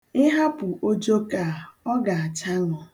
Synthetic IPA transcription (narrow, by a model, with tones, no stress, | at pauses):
ɪ˦ɦa˦pʊ˨ʔo˦d͡ʒo˦ka˨ɔ˦ɡa˨a˨t͡ʃa˦ŋɔ˨